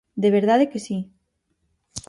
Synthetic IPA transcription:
d̪eβ̞eɾðaðekesi

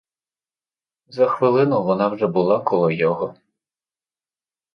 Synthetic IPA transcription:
zɐxʋɪlˠɪnɔʋɔnɑwʒɛbʊlˠɑkɔlˠɔjɔɦɔ

